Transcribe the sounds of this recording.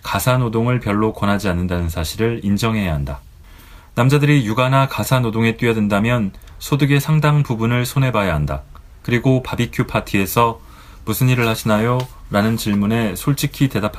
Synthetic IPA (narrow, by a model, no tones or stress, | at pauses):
kasʰanodoŋɯɭpjʌɭːokwʌnɦad͡ʑianːɯndanɯnsʰaɕʰiɾɯɭind͡ʑʌŋɦe̞jaɦanda | namd͡ʑadɯɾijuɡanakasʰanodoŋe̞t͈wɥiʌdendamjʌnsʰodɯɡe̞sʰaŋdaŋpubunɯɭsʰone̞bajaɦanda̰ | kɯɾiɡopabikʰjopʰatʰie̞sʰʌ | musʰɯniɾɯɭhaɕʰinajoɾanɯnt͡ɕiɭmune̞sʰoɭt͡ɕ͈ʰikʰite̞dapʰa